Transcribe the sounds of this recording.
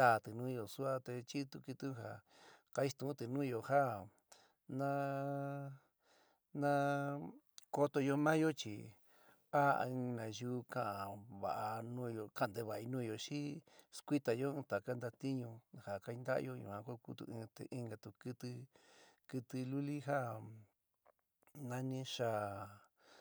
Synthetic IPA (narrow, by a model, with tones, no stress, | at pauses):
d̪a˦˨t̪ɨ˨nũ˦˧jo˨su˦a˧t̪e˧t͡ʃi˦t̪u˧ki˧t̪ũ˦ha˨ | ka˧i˧˦t̪ũ˨˦t̪ɨ˧nũː˦˧jo˧ha˦˨ | nã˦ | nã˦ | ko˧t̪o˧jo˧mã˦jo˦t͡ʃḭ˨ | a̰˦˧ɨ̃˧nã˨˧juː˧˦kã˦ʔã˨βa̰˨ʔa˧nũː˦˧jo˧ka˦˧˨nd̪e˧βa˨i˧nũː˦˧jo˨ʃi˦skʷi˦t̪a˨˧jo˦ɨ̃ː˧t̪a˨ka˦nd̪a˧t̪i˦ɲũ˧ha˨ka˧i˧nd̪a̰˦˧jo˦jṵ˨ã˧ka˦ku˦t̪ṵ˧ĩ˧t̪ḛ˨˧ʔĩ˧ŋɡa˧t̪u˧kɨ˧t̪ɨ˧kɨ˧t̪ɨ˧lu˦li˦ɦa˦ | nã˧nĩ˧˦ʂa˧˨